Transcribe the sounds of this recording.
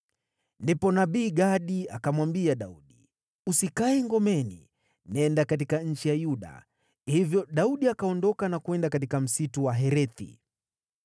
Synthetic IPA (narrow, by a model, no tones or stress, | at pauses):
ndipɔnaɓiːɡaɗia̰kamwambiaɗauɗi | usikaɛŋɡɔmɛnḭ | nɛndakatikaɲ̩t͡ʃijajuɗa̰ | hivjɔɗauɗiakaɔndɔkanakuɛndakat̬ikam̩situwaɦɛɾɛθḭ